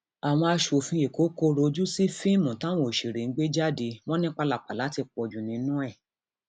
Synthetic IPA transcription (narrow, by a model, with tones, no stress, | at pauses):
a˨w̃ɔ̃˧a˧ʃo˨fĩ˧e˨ko˨˦ko˦ɾo˧d͡ʒu˦si˦fĩ˦˨mũ˨tã˦w̃ɔ̃˦˨ʃi˨ɾe˨ŋ̩˦ɡ͡be˦d͡ʒa˦˨di˧w̃ɔ̃˦nĩ˦k͡pa˧la˨k͡pa˨la˨˦ti˧k͡pɔ˨d͡ʒũ˨nĩ˨˧˦nũ˦ɛ˦˨